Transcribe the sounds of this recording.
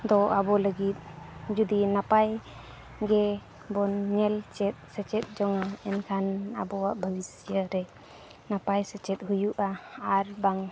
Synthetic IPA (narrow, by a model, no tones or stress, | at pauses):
d̪ɔʔabɔləɡit̪̚d͡ʒud̪inapaj | ɡɛ | bɔnːɛlt͡ʃɛt̪̚sət͡ʃɛt̪̚d͡ʒɔŋaɛnkʰana̰bɔaʔbʱabisijəɾɛ | napajsət͡ʃɛt̪̚ɦujuʔaaɾbaŋ